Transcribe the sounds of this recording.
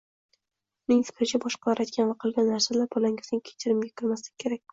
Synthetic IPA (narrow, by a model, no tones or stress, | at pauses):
mɪŋsɪ̥fɾɪt͡ʃʰabɒʃqɑɒɾʔajt̪̚kʲanvaqʰɨlˠɡʲanːaɾsalaɾbɒlaŋʲɪznɪŋkʲʰet͡ʃʰɪɾɪmɡʲakʲʰɪɾmaslɪ̥kʲkʲʰe̞ɾak̚ʲ